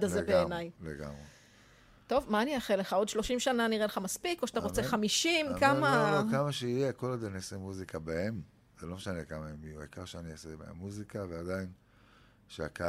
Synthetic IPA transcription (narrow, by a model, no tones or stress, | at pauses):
dazebeenajleɡa̰mʁe | to̞vmaːniaχeleχao̞d̪ʃloʃimʃananiʁeleχamaspikoʃat̪aʁot͡seχamiʃimkamakamaʃeijeko̞lad̪enesemuzikabaem | z̥elo̞meʃanekamaemijua̰jkaʁʃeaniosemḛa̰muzikavead̪ain | ʃea̰ka